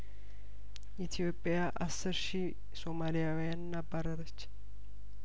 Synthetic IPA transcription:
ʔit̪ʰijo̞pʼːɪjaʔasːɨɾʃi | so̞malijawijanːabːaɾəɾət͡ʃː

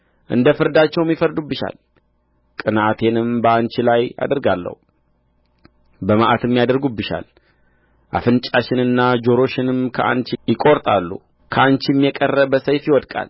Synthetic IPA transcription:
ʔɨ̰nd̪əfɨɾd̪at͡ʃːɛwmjifəɾd̪ubːɨʃa̰l | kʼɨnat̪ʰe̞nɨmbəant͡ʃɪlaja̰d̪əɾɡalːə̰hu | bəmaʔat̪ʰɨmːjad̪əɾɡubːɨʃa̰l | ʔa̰fɨnt͡ʃʼaʃɪnɨnːad͡ʒo̞ɾo̞ʃɪnɨmkʰəʔa̰nt͡ʃjɪkʼo̞ɾt̪ʼalːṵ | kʰəant͡ʃjɛmːjɛkʼərːəbəsəjfjɪwɔd̪kʼa̰l

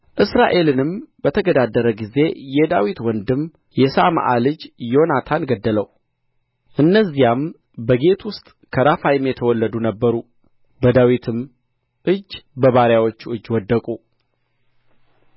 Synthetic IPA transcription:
ʔɨsɾaʔe̞lɨnɨmbət̪ʰəɡəd̪ad̪ːəɾəɡize̞jɛd̪awit̪wɔnd̪ɨm | jɛsama̰ʔalɨd͡ʒjo̞nat̪ʰanɡəd̪ːələw | ʔɨnːəzːijam | bəɡe̞t̪ʰwʊst̪ʼ | kʰəɾafajɪmjɛt̪ʰəwɔlːəd̪unəbːəɾu | bəd̪awit̪ʰɨm | ʔɨd͡ʒːbəβaɾjawot͡ʃːuɨd͡ʒːwɔd̪ːəkʼu

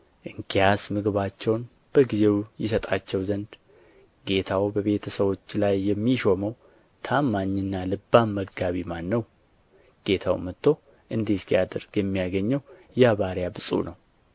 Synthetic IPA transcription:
ʔɨŋkʰijasmɨɡβat͡ʃːɛwn | b̥əɡize̞wjɪsət̪ʼat͡ʃːɛwzənd̪ | ɡe̞t̪ʰawbəβe̞t̪ʰəsəβo̞t͡ʃːlajːɛmːiʃo̞məw | t̪ʰamːaɲːɨnːalɨbːammːəɡɡaβimanːəw | ɡ̥e̞t̪ʰa̰wmət̪ʰːo̞ | ʔɨnd̪eskijad̪əɾɡjɛmːijaɡəɲːɛwjɛaβaɾjabɨsʼṵnəw

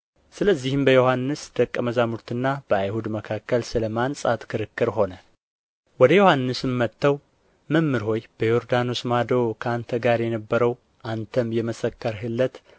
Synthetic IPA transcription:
sɨləzːihɨmbəjo̞hanːɨsd̪̥əkʼːəməzamuɾt̪ʰɨnːab̥əajhud̪məkʰakːəlsɨləmansʼat̪kʰɨɾɨkːɨɾɦo̞nə | wɔd̪əjo̞hanːɨsɨmːət̪ːəw | məmːɨɾho̞jb̥əjo̞ɾd̪ano̞smad̪o̞kʰəant̪ʰəɡaɾjɛnəbːəɾəw | ʔant̪ʰəmjɛməsəkːəɾɦɨlːət̪

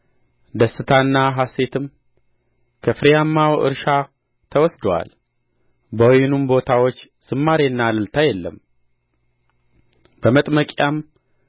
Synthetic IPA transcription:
d̪əsːɨt̪ʰanːaɦase̞t̪ʰɨm | kʰəfɨɾjamːawʔɨ̰ɾʃa | t̪ʰəwɔsd̪owa̰l | bəwjɪnumbo̞t̪ʰawo̞t͡ʃː | sɨmːaɾeɨnːalɨlt̪ʰajɛlːə̰m | bəmət̪ʼməkʼjam

